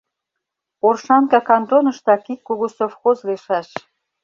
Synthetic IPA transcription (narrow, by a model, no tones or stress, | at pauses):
orʃɑnkɑkɑnd̪onə̆ʃt̪ɑkikːoɣosofxozleʃɑʃ